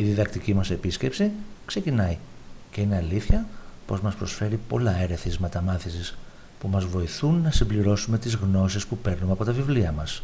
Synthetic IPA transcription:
iðiðɐkt̪icimɐse̞pisce̞psikse̞cinɐjce̞ine̞ɐliθçɐpo̞zmɐspɾo̞sfe̞ɾipo̞lɐe̞ɾe̞θizmet̪ɐmɐθisis | pumɐzvo̞iθunːɐsimbliɾo̞sume̞t̪izɣno̞sispupe̞ɾnumeɐpo̞t̪ɐvivliɐmɐs

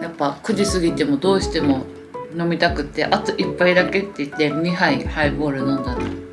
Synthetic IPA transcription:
japːakɯ̟d͡ʑisɨɡʲit̪e̞mo̞d̪o̞ːɕi̥t̪e̞mo̞ | no̞mʲit̪akɯ̟t̪ːe̞̰ʔat̪oʔipːaid̪ake̞t̪ːe̞it̪ːe̞ɲ̟ʲiɦaihaibo̞ːɾɯnõ̞nd̪ana

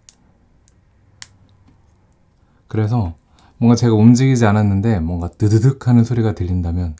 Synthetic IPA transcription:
kɯɾe̞s̬ʰʌ | mwʌŋɡat͡ɕe̞ɡaomd͡ʑiɡid͡ʑiananːɯnde̞mwʌŋɡatɯdɯdɯkʰanɯnsʰoɾiɡatɯʎːindamjʌn

